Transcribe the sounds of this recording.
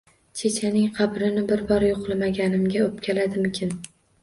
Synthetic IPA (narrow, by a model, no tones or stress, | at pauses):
t͡ʃʰet͡ʃʰanɪŋqʰɑbɾɪnɪbɪɾbɒɾjoqlˠɪmaɡʲanɪmɡʲaɵp̚kʲʰalad̪ɪmɪkʲʰɪn